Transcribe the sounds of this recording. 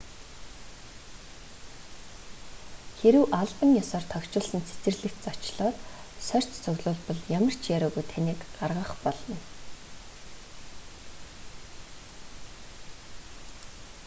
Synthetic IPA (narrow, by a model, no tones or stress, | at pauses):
xeɾɘ̆wʔaɮpə̆ŋjɔsɔːrt̪ʰœkt͡ɕʊːɮsə̆nt͡sʰet͡sɘ̆rɮɘ̆kt̪̚t͡sɔt͡ɕɮɔːt̪sœr̥ʲt͡ɕt͡sɵɣɮʊːɮpɞ̆ɮjamə̆r̥t͡ɕʰjaɾʊːɣujt̪ʰaniːkɢarʁə̆χpɔɮɞ̆n